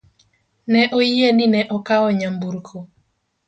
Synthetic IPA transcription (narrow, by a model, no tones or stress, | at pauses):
nɛʔojeninɛʔɔkaɔɲambuɾkʰo